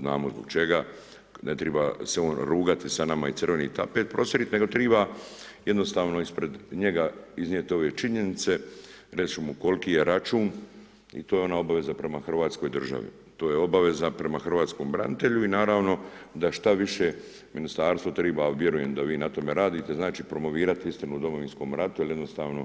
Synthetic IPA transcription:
zna̰ːmozboɡt͡ʃe̞ɡa | net̪ɾeba̰seo̞ːnɾuːɡat̪isanamait̪sɨrʋe̞nḭːt̪a̰pet̪̚pɾo̞ːsjeɾit̪ne̞ɡo̞t̪ɾiːbaje̞d̪no̞st̪aːʋno̞ispɾe̞d̪ɲeɡaiznijet̪o̞ʋet͡ʃiɲe̞nit̪se̞ | ɾet͡ʃumuko̞lkije̞ɾat͡ʃuːn | ḭt̪oːjeo̞nao̞baʋe̞zapɾe̞maxr̩ʋaːt̪sko̞jd̪r̩ʒa̰ʋḭ | t̪o̞ːjeo̞baʋe̞zapɾe̞maxr̩ʋaːt̪sko̞ːmbɾa̰nit̪e̞ʎuinaːɾaːʋno̞d̪aʃt̪aʋiʃe | minist̪aːɾst̪ʋot̪ɾiːbaʋje̞ɾuje̞md̪aʋiːnat̪o̞me̞ɾaːd̪iːt̪e̞znaːt͡ʃiːpɾo̞mo̞ʋiːɾat̪iist̪ɾenud̪o̞mo̞ʋinsko̞ːmɾat̪ujeljed̪no̞st̪aːʋno̞

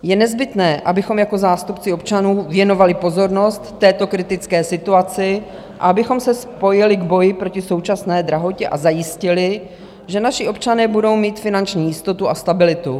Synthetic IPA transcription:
jɛnɛzbɪt̪nɛːʔabɪxo̞mjako̞zaːst̪upt͡sɪo̞pt͡ʃanuːvjɛno̞valɪpo̞zo̞ɾno̞st̪ːɛːt̪o̞kɾɪt̪ɪt͡skɛːsɪt̪uat͡sɪ | ʔa̰abɪxo̞msɛspo̞jɪlɪɡbo̞jɪpɾo̞cɪso̞wt͡ʃasnɛːd̪ɾaɦo̞cɛʔa̰zajɪscɪlɪ | ʒɛnaʃɪopt͡ʃanɛːbudo̞wmiːt̪fɪnant͡ʃɲiːjɪst̪o̞t̪uast̪abɪlɪt̪u

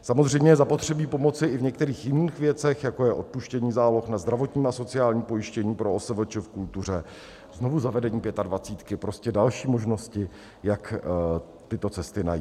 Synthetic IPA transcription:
samozr̝ɛjmɲɛjɛzapo̞t̪r̝̥ɛbiːpo̞mo̞tt͡sɪʔɪvɲɛk̚t̪ɛɾiːxjɪniːxvjɛt͡sɛxjakojɛʔo̞t̪̚puʃcɛɲiːzaːlo̞xnazd̪ɾavo̞t̪ɲiːmaso̞t͡sɪaːlɲiːpo̞jɪʃcɛɲiːpɾoosɛvl̩t͡ʃɪfkult̪ur̝ɛ | zno̞vuzavɛdɛɲiːpjɛt̪advat͡siːt̪kɪpɾo̞scɛdalʃiːmo̞ʒno̞scɪ | jak | t̪ɪt̪o̞t͡sɛst̪ɪna̰ji

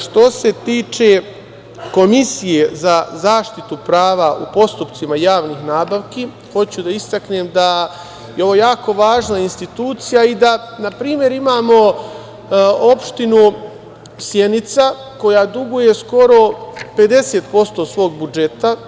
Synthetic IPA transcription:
ʃt̪o̞se̞t̪iːt͡ʃe̞ | ko̞misije̞zazaːʃt̪it̪upɾaːʋaʔṵpo̞st̪upt̪simajaːʋnixnaːbaʋki | xo̞t͡ɕud̪aist̪akneːmd̪a | jeo̞ʋoːjaːko̞ʋaːʒnainst̪it̪uːt̪sijaid̪anapɾiːmje̞ɾimaːmo̞ | o̞pʃt̪inu | sje̞nit̪sa | ko̞jad̪uɡuje̞sko̞ɾo̞pe̞d̪e̞se̞ːt̪̚po̞st̪o̞sʋo̞ːɡ̚bud͡ʒe̞t̪a

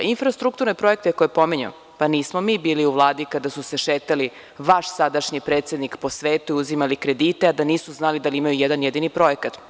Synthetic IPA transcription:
infɾast̪ɾuk̚t̪uɾnepɾo̞e̞k̚t̪ekojepo̞miɲṵ | paniːsmomiːbiːliuʋlˠaːd̪ikad̪asuse̞ʃeːt̪ali | ʋaʃsad̪aʃɲipɾet̪se̞d̪nikpo̞sʋeːt̪uiuzimalikɾe̞d̪iːt̪ead̪aniːsuznalid̪aliimajujɛd̪anjed̪inipɾo̞ekat̪

